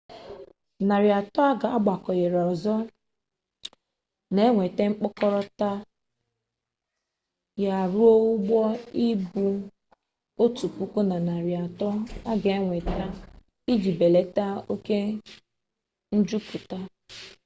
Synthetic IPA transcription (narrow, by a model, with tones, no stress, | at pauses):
na˨ɾi˨a˨tɔ˦a˦ɡa˨a˦ɡ͡ba˨kɔ˨je˨ɾɔ˨zɔ˦ | ne˦ŋʷe˨te˦ŋ͡m̩˦k͡pʊ˦kɔ˦ɾɔ˦ta˦ | ja˦a˨ɾu˦o˦u˦ɡ͡bɔ˦i˦bu˦ | o˦tu˨pu˦ku˦na˨na˨ɾi˨a˨tɔ˦a˦ɡe˨e˦ŋʷe˨ta˦ | i˦d͡ʒi˨be˨le˨˦ta˦o˦ke˦ | n̩˦d͡ʒu˦pu˨ta˦